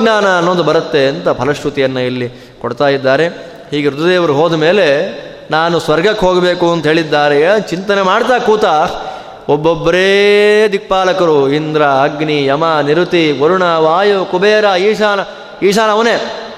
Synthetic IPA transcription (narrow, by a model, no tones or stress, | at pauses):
ɡnaːnɐːnːoːnd̪ubɐɾɐt̪ːe̞ɐnt̪ɐpɐlɐʂʈut̪ijɐnːɐilːi | koɽt̪aːjid̪ːaːɾe̞ | hiːɡeɾud̪ɐd̪eːʋɐɾuɦoːd̪ɐmeːle̞ | naːnusʋɐɾɡɐkːɦoːɡɐbeːkuɐnt̪ɐɦeːɭid̪ːaːɾet͡ʃint̪ɐnemaːɽt̪aːkuːt̪a | ɔbːobːɐɾeːd̪ik̚paːlɐkɐɾuind̪ɾɐɐɡnijɐmɐniɾut̪iɡoɾuɳɐʋaːjukubeːɾaiːʂaːnɐ | iːʃaːnɐʋɐneː